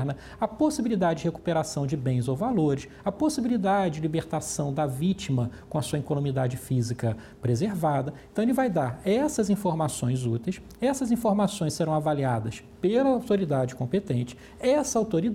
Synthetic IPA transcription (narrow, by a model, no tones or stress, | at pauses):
ɾnɐ | ɐposibilid̪ad͡ʒɪd͡ʒɪheku̥peɾasɐ̃w̃d͡ʒɪbẽj̃zowvaloɾɪs | ɐposibilid̪ad͡ʒɪd͡ʒɪlibeɾt̪asɐ̃w̃d̪ɐvit͡ʃimɐkõɐsuɐĩkonõmid̪ad͡ʒɪfizikɐ | pɾezeɾvad̪ɐẽt̪ɐ̃w̃elɪvajd̪aɾɛsɐzĩfoɾmasõj̃zut̪ejs | ɛsɐzĩfoɾmasõj̃seɾɐ̃w̃avaliad̪ɐs | pelɐːwt̪oɾid̪ad͡ʒɪkõpet̪ẽnt͡ʃɪ̥ | ɛsɐawt̪oɾid̪